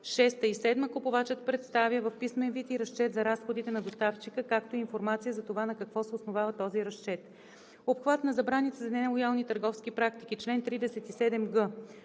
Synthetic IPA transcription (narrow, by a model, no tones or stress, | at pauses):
ʃɛst̪əisɛd̪məkopovat͡ʃət̪pɾɛt̪st̪avjəvɐfpismɛnvit̪iɾɐst͡ʃɛt̪zɐɾasxod̪it̪ɛnɐd̪ost̪aft͡ʃikəkakt̪oiinfoɾmat̪sijəzɐt̪ovanɐkɐkvɔsɛosnovavət̪ɔziɾɐst͡ʃɛt̪ | opxvat̪nɐzɐbɾanit̪ɛzɐnɛlˠojalˠnit̪əɾɡɔfsk̟ipɾakt̪ik̟it͡ʃlɛnt̪ɾid̪ɛsɛt̪isɛd̪ɛmɡɤ